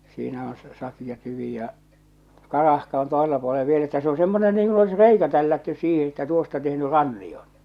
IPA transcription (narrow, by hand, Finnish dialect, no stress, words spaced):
siːnæ on sɑ sɑkijɑ tyʋiˑ jɑ kɑrɑhkɑ on toˑeselːɑ puoleʋ ʋiel etːæ se o semːone niːŋ kun olis reikæ tælːætːys siːhe etːæ tuostɑ tehny rɑnːij̆on̥